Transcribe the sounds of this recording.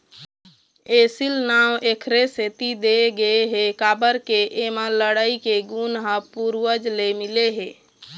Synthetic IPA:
esilnawʔekʰɾeset̪id̪eɡəeɦekabəɾkeʔemãləɽaikeɡunɦapuɾwəd͡ʒlemileɦe

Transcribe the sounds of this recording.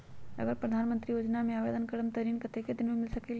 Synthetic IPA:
ɐ̰ɡəɾpɾəd̪ʱanmənt̪ɾiːjoːd͡ʒnameaʋed̪ənkəɽəmt̪əɾiːnkət̪ʰeked̪inmemilsəkel

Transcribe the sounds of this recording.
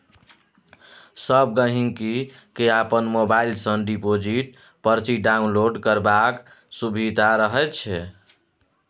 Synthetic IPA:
səb̚ɡəɦiŋki | keapənmobailsənɖipod͡ʒiʈ | pəɾt͡ʃiɖaunloɖkəɾbak | subʱid̪aɾəɦɛt͡ʃʰɛ

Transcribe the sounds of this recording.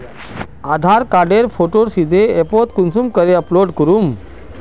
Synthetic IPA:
ad̪ʱaɾkaɾɖeɾfoʈoɾsid̪ʱeepoʈ̪kunsumkəɾeəploɖkəɾum

